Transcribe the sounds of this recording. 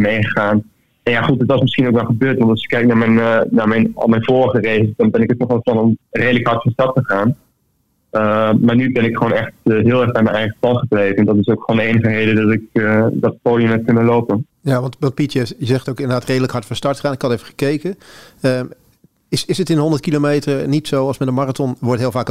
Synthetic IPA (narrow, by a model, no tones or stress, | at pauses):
mejχəχaːn | ɛnjaχutdətʋɑsmɪsχinowkʋɛlˠχəbøːɹtʋɑntɑlsjɪ̥kːɛjk̚naːmɛnnaːmɛjnɔ̰lˠmɛjnvoːrəχərelˠdɑnbɛnɪkətnɔχɛlˠplɑnɔmrejdələkɦɑɹtfɔ̃nstɑɹtəχaːn | əmaːɹnybɛnɪkχəʋoːnɛχtɦɪːlˠɛɹamɛnɛjχəpɑnχəblejvəɛndɔtɪsokχoːndəejnəχərejdədɔtɪk̚dɑtpoːdjəmɦɛt̚kɵnəlowpən | jaʋɑntʋɑnt̚pitjəsjəzɛχtowkɪ̃ndəɹdaːtrejdələkɦɑɹtfəstɑɹtaːnɪkhɑtevəχə̥kejkənə | ɪsɪsətɪnɦɔndətkilomejtərnitsowɑlˠsmɛdəmaratɔnʋɔɹtɦɪːlˠvaːk